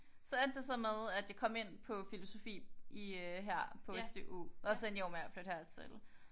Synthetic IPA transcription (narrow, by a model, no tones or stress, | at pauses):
sɒ̽æɐd̥e̝sɒ̽meðˠæd̥jɑ̈ɪkʰɒ̽m̰e̝n̰pʰɒ̽filo̝so̝fḭːiøɦæɐ̰pʰɔ̽sd̥eʔṵɒsenjomæɐ̰flød̥hæɐ̰t͡sʰḛl